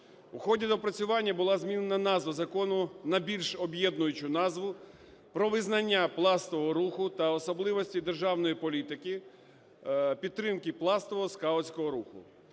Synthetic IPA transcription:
wxɔdʲid̪ɔpɾɐt͡sʲʊʋɑnʲːɐbʊlˠɑzmʲinenɐnɑzʋɐzɐkɔnʊnɐbʲilʲʃɔbjɛd̪nʊjʊt͡ʃʊnɑzʋʊ | pɾɔʋɪznɐnʲːaplˠɑst̪ɔʋɔɦɔɾuxʊt̪ɐɔsɔblˠɪʋɔsʲtʲid̪erʒɑwnɔjipɔlʲit̪ɪki | pʲid̪t̪ːɾɪmkɪplˠɑst̪ɔʋɔɦɔskɑɔt͡sʲkɔɦɔɾuxʊ̰

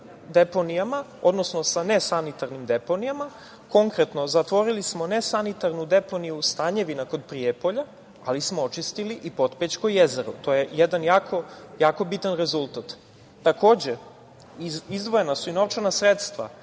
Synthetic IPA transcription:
d̪e̞po̞nijamao̞d̪no̞sno̞sanesanit̪aɾnimd̪e̞po̞nijama | ko̞ŋkɾe̞t̪no̞zat̪ʋo̞ɾilismo̞ne̞sanit̪aɾnud̪e̞po̞nijust̪aɲe̞ʋinako̞d̪pɾiepo̞ʎa | alismoot͡ʃist̪iliʔipo̞t̪pet͡ɕkojezeɾut̪o̞jejed̪anjaːkʰo̞jaːko̞bit̪anɾe̞zulˠt̪at̪ː | ako̞ːd͡ʑe | izd̪ʋo̞jenasuinoʋt͡ʃanasɾet̪st̪ʋa̰

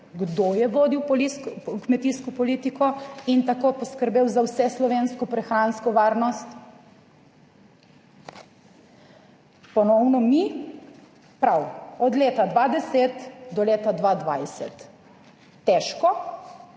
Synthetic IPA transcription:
ɡd̪ojɛʋoːd̪iwplikkmɛt̪iːskɔpɔliːt̪ikɔint̪akopɔskəɾbeːwzawsɛslɔʋeːnskɔpɾɛxɾaːnskɔʋaːɾnɔst̪ | pɔnɔwnɔmi | pɾawɔd̪leːt̪ad̪ʋad̪ɛseːt̪d̪ɔleːt̪ad̪ʋaːd̪ʋajsɛ̰t̪ː | ɛʃkɔ

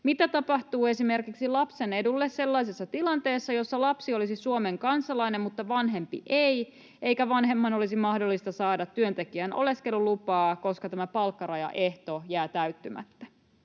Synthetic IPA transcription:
mit̪æt̪ɑpɑht̪uːe̞sime̞rkiksilɑpse̞ne̞dulːesse̞lːɑis̬esːɑt̪ilɑnt̪e̞ːsːɑjo̞sːɑlɑpsio̞lisisuome̞ŋkɑnsɑlɑinemmut̪ːɑʋɑnɦe̞mpḭʔej | e̞jkæʋɑnɦe̞mːɑno̞lisimɑhdolːist̪ɑsɑːdɑt̪tːyønt̪e̞kiæno̞̰le̞skelːulupɑːkoskɑt̪æmæpɑlkːɑɾɑjɑ̰ʔe̞ht̪ojæːt̪æyt̪ːymæ̰t̪ːæ

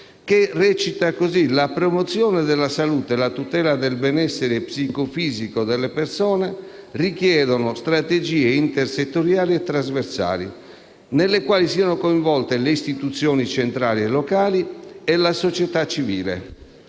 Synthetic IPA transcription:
kerɛt͡ʃit̪akozilapɾomot̪sːjɔːned̪elːasaluːt̪elat̪ut̪ɛːlad̪elbɛnɛsːeɾepsikofiːzikod̪elːepersɔːne | rikjɛːd̪onost̪ɾat̪ed͡ʒiːeint̪erset̪ːoɾjaːliɛt̪ːɾazversa̰ːlḭ | nelːekwaːlisiːanokoiɱvɔlt̪eleist̪it̪ut̪sːjɔːnit͡ʃent̪ɾaːliɛlːɔkaːliɛlasot͡ʃɛt̪at͡ʃːivḭːlḛ

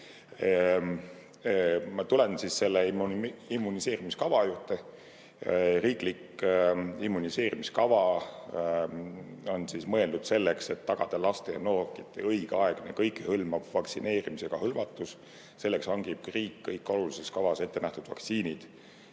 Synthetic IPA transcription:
mɑt̪ulensisse̞lːeimːunise̞ːɾimiskɑvɑjuːt̪ˑːe | riːklik | imːunise̞ːɾimiskɑvɑ | o̞nsismɤ̞e̞ld̪ud̪̥se̞lːekse̞t̪ːɑɡ̥ɑd̪̥ɑlɑst̪ejɑ̰noːrkit̪ːˑeɤjɡ̥ɑeɡ̥nḛkɤjkːˑehɤlmɑv̥vɑksḭne̞ːɾimise̞ɡ̥ɑhɤlvɑt̪ːˑus | se̞lːeksɑŋɡ̥ib̥̚kriːkːɤjkːˑo̞lulise̞skɑvɑse̞t̪ːe̞næht̪ud̪̥vɑ̰ksiːnid̪̥

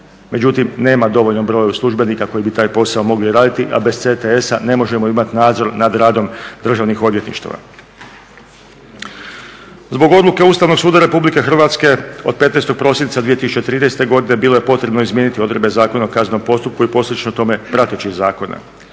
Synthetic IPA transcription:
me̞d͡ʑut̪imne̞ːmad̪o̞ʋo̞ʎno̞mbɾo̞ːjuslˠuʒbe̞nikako̞jibit̪aːjpo̞saomo̞ɡliɾaːd̪it̪iʔa̰be̞sset̪eesane̞mo̞ʒe̞moimat̪inaːd̪zo̞ɾnad̪ɾaːd̪o̞md̪r̩ʒaʋnixo̞d̪ʋjet̪nḭʃt̪a̰ʋa̰ | zbo̞ɡo̞d̪luke̞uːst̪aʋno̞ɡsuːd̪aɾe̞publike̞xr̩ʋaːt̪ske̞o̞̰d̪̚pet̪nejst̪o̞ɡ̚pɾo̞sjinit̪sad̪ʋije̞t̪isut͡ʃe̞t̪ɾiːnest̪e̞ɡo̞d̪ine̞biːlˠo̞je̞po̞t̪ɾe̞bno̞izmjeːnit̪io̞d̪ɾebe̞zaːko̞naokazno̞mpo̞st̪up̚kuipo̞slʲet͡ʃnot̪o̞me̞pɾat̪et͡ɕixzaːko̞na̰

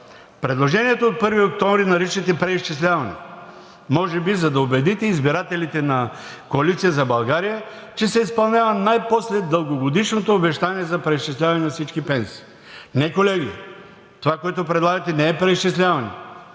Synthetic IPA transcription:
pɾɛd̪lˠoʒɛniɛt̪oot̪̚pɤɾviokt̪ɔ̃mvɾinɐɾit͡ʃɛt̪ɛpɾɛist͡ʃislʲavɐnɛ̰ | mɔʒɛbizɐd̪ɐobɛd̪it̪ɛizbiɾat̪ɛlit̪ɛnɐ | koɐlit̪sijəzɐbɐlˠɡaɾijə | t͡ʃɛsɛispɐlˠnʲavɐnajposlɛd̪əlˠɡoɡod̪iʃnot̪oːbɛʃt̪aniɛzɐpɾɛiʃt͡ʃislʲavɐnɛnɐfsit͡ʃkipɛnsi̥ː | nɛkolɛɡiɛ̰ | t̪ovakoɛt̪opɾɛd̪lˠaɡɐt̪ɛnɛɛpɾɛist͡ʃislʲavɐnɛ̰

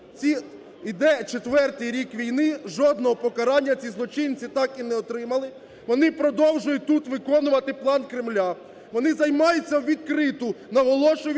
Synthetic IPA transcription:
t͡sʲi | id̪ɛt͡ʃet̪ʋɛrt̪ɪjɾʲikʋʲijnɪʒɔd̪nɔɦɔpɔkɐɾɑnʲːɐt͡sʲizlˠɔt͡ʃɪnʲt͡sʲit̪ɑkinɛɔt̪ɾɪmɐlˠɪ | ʋɔnɪpɾɔd̪ɔwʒʊjʊt̚ʲt̪ut̪ʋɪkɔnʊʋɐt̪ɪplˠɑnkɾɪmlʲa | ʋɔnɪzɐjmɑjʊt͡sʲːɐwʋʲid̪̚kɾɪt̪ʊnɐɦɔlˠɔʃʊʋʲ

